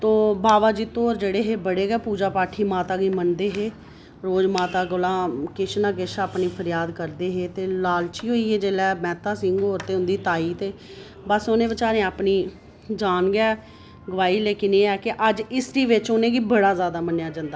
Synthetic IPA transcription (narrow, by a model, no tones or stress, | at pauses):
t̪oːbaːʋaːd͡ʒiːt̪oːɾd͡ʒeːɽeːɦeːbəɽeːɡɛːpuːd͡ʒaːpaːʈʰiːmaːt̪aːɡiːmənd̪eːɦeː | ɾoːd͡ʒmaːt̪aːɡʊlãːkɪʃnãːkɪʃaːpniːpʰəɾjaːd̪kəɾd̪eːɦeːt̪eːlaːlt͡ʃiːɦoːiːeːd͡ʒeːlɛːmɛ̃ːt̪ãːsɪ̃ŋɡoːɾt̪eːɦʊ̃nd̪iːt̪aːiːt̪eː | bəsonẽːbət͡ʃaːɾẽaːpniː | d͡ʒaːnɡɛː | ɡəʋaːiːleːkɪneːɛːkɪʔəd͡ʒɪsɾiːʋɪt͡ʃʊnẽːɡiːbəɽaːzjaːd̪aːmənjaːd͡ʒãːnd̪aː